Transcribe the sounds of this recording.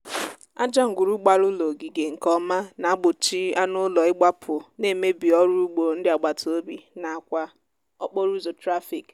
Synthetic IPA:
a̰˦d͡ʒa˦ŋ̩˨ɡʷu˨ɾu˦ɡ͡ba˨ɾʊ˦lo˨ɡi˨ɡe˨ŋ̩˨kɔ˦ma˦na˨a˦ɡ͡bʊ˨t͡ʃi˦a˦nʊ˦lɔ˨ɪ˦ɡ͡ba˦pʰʊ˨ne˨me˦bi˨ɔ˦ɾu˦ɡ͡bo˨n̩˦dɪ˦a˨ɡ͡ba˨tʰo˦bi˨na˨a˨kʷa˦ | ɔ˦k͡po˦ɾu˦zo˨tɾa˦fi˨k

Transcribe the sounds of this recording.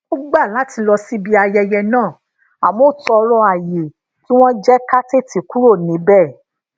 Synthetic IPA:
o˦ɡ͡ba˦˨la˨˦ti˧lɔ˧si˦bi˧a˧jɛ˧jɛ˧nãː˦˨ | a˨mo˦˨tɔ˧ɾɔ̃˧a˨je˨ | tĩ˦w̃ɔ̃˦d͡ʒɛ˦ka˦te˦˨ti˨ku˦ɾo˦˨nĩ˨˦bɛ˦˨

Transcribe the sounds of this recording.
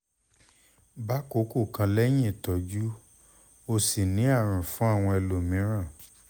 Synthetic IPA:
ba˦ko˨˦ko˦˨kã˧lɛ˦j̃ĩ˦˨tɔ˨d͡ʒu˦ | o˧si˨nĩ˨˦a˦˨ɾ̃ũ˨fũ˨˦a˦˨w̃ɔ̃˧ɛ˧lo˨mĩ˨˦ɾ̃ã˦˨

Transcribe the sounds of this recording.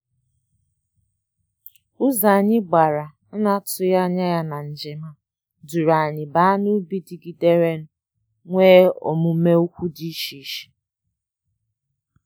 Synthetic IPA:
ʊ˦za˨a˨ɲɪ˦ɡ͡ba˨ɾa˨ | n̩˦na˦tʊ˨ja˦ɲa˦ja˦na˨n̩˨d͡ʒɪ˨ma˦ | du˨ɾa˨a˨ɲɪ˨ba˦a˦nu˦bi˦di˨ɡi˨de˦ɾe˦n̩˦ | ŋʷeː˦ɔ̰˨mʊ˨˦me˦u˦kʷu˦di˦ʃi˨˦ʃi̥˨

